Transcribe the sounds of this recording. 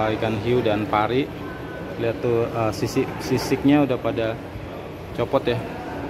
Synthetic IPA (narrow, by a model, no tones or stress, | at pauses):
ikanɦiudanpaɾi | liat̪ːuəsisɪsisɪk̚ɲaudahpada | t͡ʃopɔt̪ja